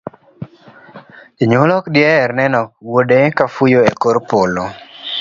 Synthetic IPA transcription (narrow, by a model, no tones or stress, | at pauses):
iɲolɔkdjɛɾnɛnɔk̚wodekafujoekoɾpolo